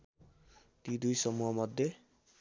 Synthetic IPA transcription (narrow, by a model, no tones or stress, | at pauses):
t̪id̪ujsʌmuɦʌmʌd̪ʱje